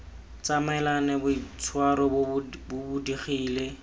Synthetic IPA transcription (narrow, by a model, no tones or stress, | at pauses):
t͡samɛlanɛbʊit͡sʰwaɾɔbʊbudiχiːle